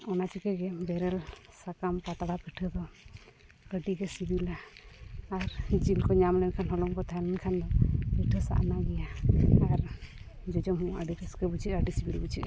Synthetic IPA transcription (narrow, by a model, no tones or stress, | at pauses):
ɔnat͡ʃikɛɡɛbɛɾɛl | sakampat̪aɽapiʈʰəd̪ɔ | əɖiɡɛsibilaː | ɾd͡ʒilkɔɲamlɛnkʰanɦɔlɔmkɔt̪ʰalɛnkʰand̪ɔpiʈʰəsa̰ʔnaɡɛjaː | ɾ | d͡ʒɔd͡ʒɔmɦũaɖiʈɛskəbut͡ʃʰiəɖisibilbut͡ʃʰiʔ